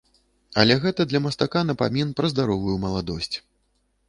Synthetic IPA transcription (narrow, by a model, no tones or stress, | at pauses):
ɐlʲɛɣɛt̪ɐd̪lʲɐmɐst̪akanɐpamʲinpɾɐzd̪aɾɔvujumɐlˠad̪ɔsʲt͡sʲ